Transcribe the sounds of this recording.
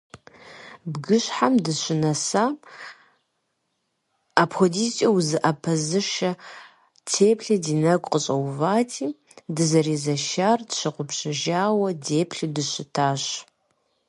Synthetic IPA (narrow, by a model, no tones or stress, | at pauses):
bɡɨɕħamdɨɕɪnɐsaː | apʰxodiːst͡ʃʼɐwzɨʔɐpʰɐzɨʃɐ | tʰeːpɬɐdiːnɐkʷʼqʼəɕʼɐwvaːtʰiː | dɨzɐreːzɐʃaːrdɕɨqʷʊpɕɪʒaːwɐdeːpʰɬɨdɨɕɪtʰaːɕ